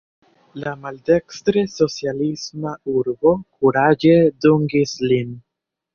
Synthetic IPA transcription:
lamalde̞kstɾeso̞t͡sijalismauɾbo̞kuɾad͡ʒe̞duŋɡislin

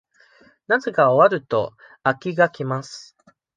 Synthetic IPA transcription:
naze̞kaoaɾɯ̟t̪o̞̰ | akʲiɡakʲimasɨ̥

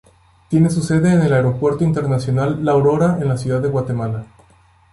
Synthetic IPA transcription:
t̪je̞ne̞s̬use̞ðe̞ːnelaeɾo̞pwe̞ɾt̪oint̪e̞ɾnasjo̞nalːawɾo̞ɾaenlasjuðaðːeɣwat̪e̞mala

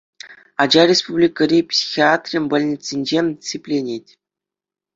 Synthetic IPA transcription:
ɑd͡ʑɑrʲespublʲikəɾʲipsʲi̥xʲiat̪rʲimʲbɤ̆lʲnʲetʲsʲenʲd͡ʑemʲsʲipʲlʲenʲetʲ

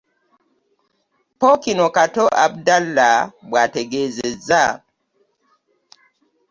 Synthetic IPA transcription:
pɔkinokatɔʔa̰b̚dalːabwateɡezeza

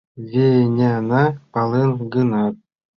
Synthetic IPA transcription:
vʲenʲenɑpɑlˠɯnɡɯnɑt̪̚

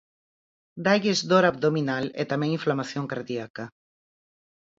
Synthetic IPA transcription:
d̪ajɣezd̪oɾab̚ðominalɛ̰t̪amɛ̃ŋiɱflamaθjoŋkaɾðiaka

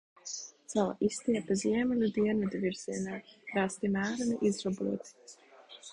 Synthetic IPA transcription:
t̪sala̰ʔist̪iɛpaziɛmɛlʲud̪iɛnvɛd̪viɾz̥iɛnaːɾast̪imæːɾaniʔizɾɔbṵɔt̪

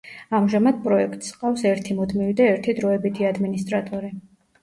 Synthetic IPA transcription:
amʒamad̪̚pʼɾɔɛkʰt̪ʼsqʼawsɛɾt̪ʰimɔd̪mivid̪aɛɾt̪ʰid̪ɾɔɛbit̪ʰiad̪minist̪ʼɾat̪ʼɔɾi

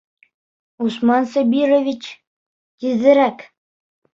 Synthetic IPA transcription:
usmɑnsobʲirovʲit͡ɕ | t̪ʲiðɘ̆ɾæk

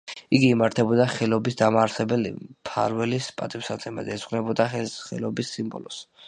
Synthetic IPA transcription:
iɡiːmaɾt̪ʰɛbɔd̪aχɛlɔbisd̪amaːɾsɛbɛlḭpʰa̰ɾwɛlispʼat̪ʼipsat̪sʼʰɛma̰d̪ɛzʁnɛbɔd̪aχɛχɛ̰lɔbisːimbɔ̰lɔs

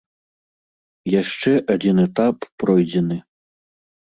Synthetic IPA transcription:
jaʂt͡ʂɛʔad͡zʲinɛt̪appɾɔjd͡zʲɛnɨ

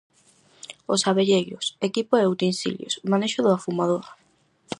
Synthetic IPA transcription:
osaβeʎeɣosekipoeowt̪ensḭljo̰smaneʃʊðʊafumaðoɾa

